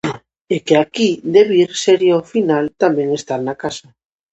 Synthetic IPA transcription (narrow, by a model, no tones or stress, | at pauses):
ekeakid̪eβiɾseɾjofinalt̪amẽŋest̪aɾnakasɐ